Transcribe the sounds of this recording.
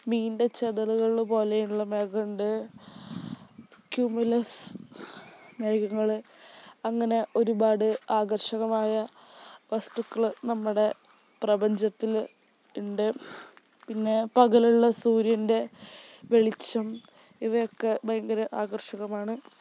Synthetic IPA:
miːnde̞t͡ɕeðɐluɣɐɭpo̞ːlejuɭːɐmeːɡɐɳɖɨ | kjumulɐs | meːɣɐŋːɐɭ | ɐŋːɐne̞ʔo̞ɾubaːɽɨaːɣɐrʂɐɣɐmaːjɐ | ʋɐst̪ukːɐɭnɐmːuɽe̞ | prɐbɐɲd͡ʑɐt̪ːil | uɳɖɨ | pinːe̞pɐɣɐluɭːɐsuːɾjɐnde̞ʋe̞ɭit͡ɕːɐm | iʋɐjokːe̞bɐjɐŋɡɐɾɐʔaːɡɐrʂɐɣɐmaːɳɨ

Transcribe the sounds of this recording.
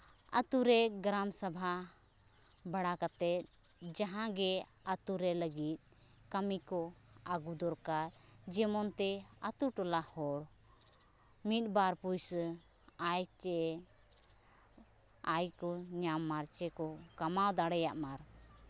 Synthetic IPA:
ət̪uɾɛɡɾamsabʱa | baɽakat̪ɛt̪̚ | d͡ʒaɦãɡɛ | ət̪uɾɛləɡit̪̚ˀ | kəmikɔ | aɡud̪ɔɾkaɾ | d͡ʒɛmɔnt̪ɛ | at̪uʈɔlahɔɽ | mit̪̚baɾpujs | ajt͡ʃɛ | ajkɔɲamːaɾt͡ʃɛkɔkamawd̪aɽɛjaʔmaɾ

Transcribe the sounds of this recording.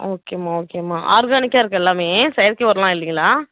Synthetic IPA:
oːkeːmaːoːkeːmaːʔa̰ːɾɡaːnɪkːaːɪɾɯkːɐɛlːaːmeːsɐjɐɾkeʋɐɾɐlãːɪlːiŋɡɐlaː

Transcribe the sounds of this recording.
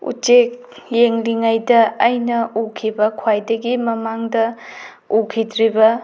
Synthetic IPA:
ṵt͡ʃek̚ | jeŋliŋajdɐːjnɐukʰibɐkʰwajdɐɡimɐmaŋdɐ | ukʰidɾibɐ

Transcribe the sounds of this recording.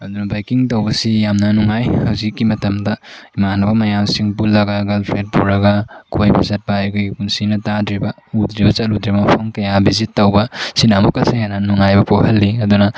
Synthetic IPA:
ɐd̪unɐbajkiŋtɐwbɐsijamnɐnuŋajhɐwzikːimɐtɐmdɐimanɐbɐmɐjamsiŋpulːɐɡaɡɐlpʰɾet̚puɾɐɡakʰojbizɐt̚baːjkʰojɡikunsinɐtadɾibɐ | udɾibɐt͡ʃɐludɾibɐpʰɐŋkɐjabizitːɐwbɐsinamukɐsihanɐnuŋajbɐpohɐlːiɐd̪unɐ

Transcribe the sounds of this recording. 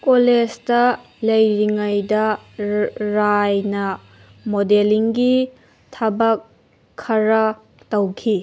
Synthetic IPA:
kolesdɐ | lɐjɾiŋɐjdɐ | ɾajnɐ | modeliŋɡi | tʰɐbɐkʰː | ɐɾɐ | tɐwkʰi

